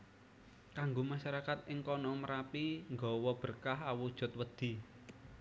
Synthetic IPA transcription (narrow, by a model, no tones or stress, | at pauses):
kaŋɡomaʃaɾakat̪ɪŋkɔnɔməɾapiŋɡɔwɔb̥ə̤rkaɦawud̥ʒ̥ɔ̤t̪̚wəd̪̥i̤